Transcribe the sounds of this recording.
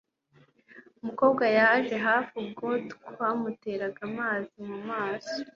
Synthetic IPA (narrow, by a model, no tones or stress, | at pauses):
umuko̞ːbɡajaʒe̞ɦaːfub̚ɡotkwamute̞ːɾaɡamaːzimumaːso̥